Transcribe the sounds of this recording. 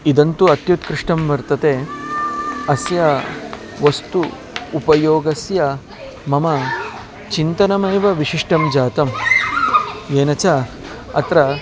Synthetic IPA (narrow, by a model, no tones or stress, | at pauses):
id̪ɐnt̪uɐt̪jut̪kɾɪʂʈɐmʋɐɾt̪ɐt̪eː | ɐsjɐ | ʋɐst̪uː | pɐjoːɡɐsjɐ | mɐmɐ | t͡ʃint̪ɐnɐmɐːʋɐʋiʂiʂʈɐmd͡ʒaːt̪ɐm | eːnɐt͡ʃa | ɐ̰t̪ɾɐ